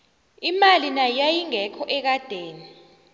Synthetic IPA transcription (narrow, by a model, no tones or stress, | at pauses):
imalinajajiŋɛkʰɔʔɛk̬ad̥ʱeːni